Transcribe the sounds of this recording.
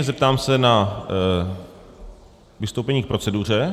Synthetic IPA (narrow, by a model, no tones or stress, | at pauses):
ɛzɛp̚t̪aːmsɛna | vɪst̪owpɛɲiːk̚pɾo̞t͡sɛduːr̝ɛ